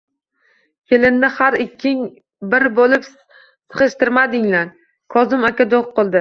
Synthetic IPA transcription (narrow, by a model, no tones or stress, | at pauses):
kʲʰelɪnnɪhaɾɪkʲʰːɪŋ | bɪɾbolɪp | sɨ̥χɨʃt̪ɪɾmad̪ɪŋlaɾ | kʰɒzɪmakʲad̪oʁqʰːolˠd̪ɪ